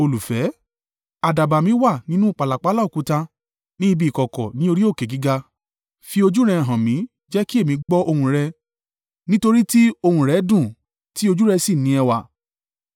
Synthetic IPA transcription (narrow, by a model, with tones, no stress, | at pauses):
o˧lu˨fɛ˨˦ | a˨da˨ba˨mĩ˨˦wa˦˨nĩ˨˦nũ˦˨k͡pa˨la˨k͡pa˨˦la˦u˨ku˨˦ta˧ | nĩ˦˧bi˧˦˨kɔ˨kɔ̰˨nĩ˨˦o˧ɾi˦o˦˨ke˨ɡi˨˦ɡa˧ | fi˧o˧d͡ʒu˦ɾɛ˧˨ɦã˨mĩ˨˦ | d͡ʒɛ˦ki˦e˦˨mĩ˧˦ɡ͡bɔ˦ʔo˧hũ˧ɾɛ˧ | nĩ˦to˧ɾi˦ti˦o˧hũ˧ɾɛ˨˦dũ˦˨ | ti˦o˧d͡ʒu˦ɾɛ˧si˦˨nĩ˨˦ɛ˧wa˨